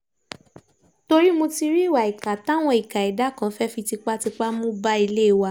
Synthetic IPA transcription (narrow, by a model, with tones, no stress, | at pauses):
to˧ɾi˦mõ˧ti˧ɾi˦˨wa˨i˨ka˨ta˦˨w̃ɔ̃˧i˨ka˨i˨da˨˦kã˨˦fɛ˦fi˧ti˧k͡pa˦ti˧k͡pa˦mũ˦ba˦i˧le˦i˨wa˧˦